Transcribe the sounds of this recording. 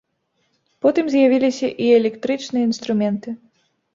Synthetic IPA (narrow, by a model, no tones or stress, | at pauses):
pɔt̪ɨmzʲjavʲilʲisʲɐʔiɛlʲɛkt̪ɾɨt͡ʂnɨjɐinst̪ɾumʲɛnt̪ɨ